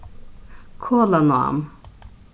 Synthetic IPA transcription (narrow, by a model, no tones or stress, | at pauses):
kʰolanoa̰m